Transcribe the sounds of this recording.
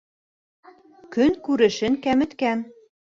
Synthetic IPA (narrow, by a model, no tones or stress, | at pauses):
kønkuɾɘ̆ʃɘ̆nkæmɘ̆t̪kæn